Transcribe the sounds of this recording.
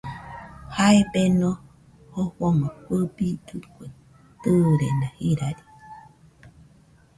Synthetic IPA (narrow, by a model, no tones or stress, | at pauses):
haebenõ | hoβomakʷəbid̪ɨkʷe | t̪ɨɾenãhiɾaɾi̥